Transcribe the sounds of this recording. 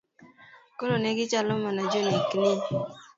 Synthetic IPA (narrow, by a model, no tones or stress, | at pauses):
koloneɡɪt͡ʃalɔmɔnad͡ʒoneknɪ